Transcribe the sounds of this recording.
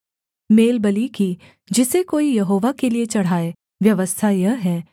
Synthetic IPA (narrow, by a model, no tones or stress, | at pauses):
meːlbɐliki | d͡ʒɪsekoːijɐɦoːʋakeliet͡ʃɐɽ̤aːe | ʋjɐʋəst̪ʰajɐɦɛː